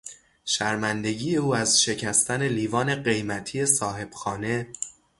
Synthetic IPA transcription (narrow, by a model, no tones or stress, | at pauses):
ʃæɾmænd̪e̞ɟiːje̞uːæzʃe̞cʰæst̪æne̞liːvɒːne̞ɢe̞jmæt̪ʰiːe̞sɒːɦe̞b̥xɒːne̞